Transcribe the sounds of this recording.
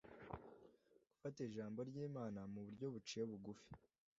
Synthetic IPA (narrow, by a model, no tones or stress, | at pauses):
ɡ̥u̥fateiʒaːmbo̞ɾɟiːmaːnamuβuɾɟo̞βut͡ʃie̞βuɡufi̥